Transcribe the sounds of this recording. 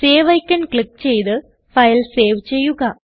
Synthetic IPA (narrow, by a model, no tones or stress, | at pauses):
seːʋɐjkːɐnkɭikːt͡ɕe̞jt̪ɨ | fɐjlse̞ːʋt͡ɕe̞jːuɣɐ